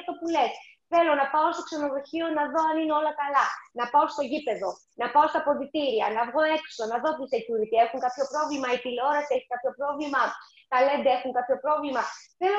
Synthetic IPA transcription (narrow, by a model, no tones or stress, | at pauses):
ft̪o̞pule̞s | θe̞lo̞nɐpɐo̞st̪o̞kseno̞ðo̞çio̞nɐðo̞ɐnineo̞lɐkɐlɐnɐpɐo̞st̪oʝipe̞ðo̞ | nɐpao̞st̪ɐpo̞ðit̪iɾiɐnɐvɣo̞e̞ksonɐðo̞pusecuɾit̪ie̞xuŋkɐpço̞pɾo̞vlimɐipileo̞ɾɐsie̞çi̥kɐpço̞pɾo̞vlimɐ | t̪ɐle̞nd̪ɐe̞xuŋkapço̞pɾo̞vlimɐθe̞lo